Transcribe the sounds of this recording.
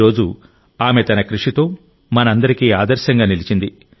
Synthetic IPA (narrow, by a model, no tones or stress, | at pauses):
ɾo̞ːd͡ʒu | aːme̞t̪ɐnɐkɾuʂit̪o̞ː | mɐnɐɐnd̪ɐɾikiːaːd̪ɐɾʃɐŋɡaːnilit͡ʃind̪i